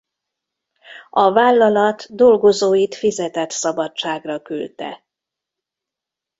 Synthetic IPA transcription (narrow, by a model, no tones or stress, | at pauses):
ɒvaːlːɒlɒt̪d̪o̞lɡo̞zoːjit̪fizɛt̪ɛt̪sɒbɒt͡ʃaːɡrɒkylt̪ɛ̰